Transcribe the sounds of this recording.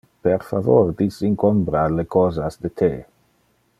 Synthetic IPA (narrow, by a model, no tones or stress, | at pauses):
peɾfavord̪isiŋkombɾalekɔːzasd̪et̪ʰe